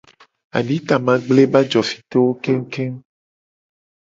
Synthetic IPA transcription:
a̰˨ɖĩ˦t̪a˨mã˨ɡ͡ble˦ba˦d͡ʒɔ˨fi̥˨t̪o˦wo˦ke˦ŋ̩˦ke˦m

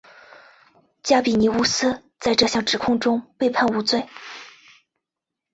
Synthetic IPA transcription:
t͡ɕja˥pi˨˩ni˧˥u˥sɹ̩˥ | t͡sa˥˧ɪʈ͡ʂɤ˥˧ɕjɑ˥˩ŋʈ͡ʂɻ̩˨˩kʰʊ˥˧ŋʈ͡ʂʊ˥ŋpe˥˧ɪpʰa˥˩˧nu˧˥t͡swe˥˩ɪ

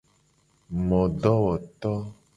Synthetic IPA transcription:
mɔ̃˨ɖɔ˦wɔ˨t̪ɔ˦

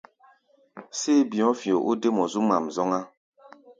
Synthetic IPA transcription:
se˦˨bi˨ɔ̃˦fjo˨ʔu˦de˦mɔ˨zu˦ma˨mzɔ˦ŋa˦

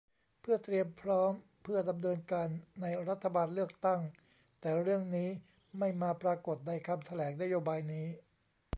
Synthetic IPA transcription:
pʰɯ˥˩ɐt̪ɾi˧əmpʰɾɔː˦˥m | pʰɯ˥˩ɐda˧mnɤː˧nkaː˧nːa˧jɾa˦˥t̪ʰːa˧baː˧nlɯ˥˩ək̚t̪a˥˩ŋ | t̪ɛː˨˩ɾɯ˥˩əŋniː˦˥ | ma˥˩jmaː˧pɾaː˧ko˨˩t̪̚na˧jkʰa˧mt̪ʰa˧lɛː˩˦ŋna˦˥joː˧baː˧jniː˦˥

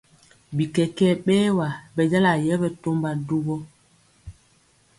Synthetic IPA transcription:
bi˨kɛ˨kɛ˦ɓɛː˦wa˨bɛ˨d͡ʒa˦la˨jɛ˦bɛ˨to˦mba˨du˦bɔ˦

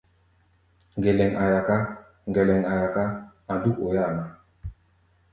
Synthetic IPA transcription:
ŋɡe˨lɛ˨ŋʔa˨ja˨ka˦ | ŋɡɛ˨lɛ˨ŋa˨ja˨ka˦ | a˨du˦ko˨ja˦˨na˨

